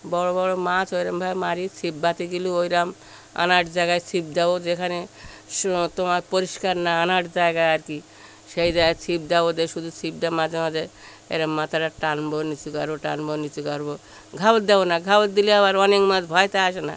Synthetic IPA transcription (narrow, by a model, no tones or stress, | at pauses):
bɔɾobɔɾomat͡ɕojɾambʱajmaɾit͡sʰibbat̪iɡiluojɾam | a̰naʈd͡ʑaeɡaet͡sʰib̚d̪ɛbod͡ʒekʰane | ʃt̪omaɾpoɾiʃkaɾnaanaʈd͡ʑaeɡaeaɾki | ʃejd͡ʑaɡajt͡sʰib̚d̪ɛbod̪eʃud̪ʱut͡ɕʰib̚d̪amad͡ʑemad̪eɾ | ḛjɾamːat̪ʰaɾaʈanbonit͡ɕukaɾboʈanbɔnit͡ɕukaɾbo | ɡʱabot̪̚d̪ɛbonaɡʱabot̪̚d̪iliaβaɾɔnekmãd͡ʑbʱɔet̪aaʃena̰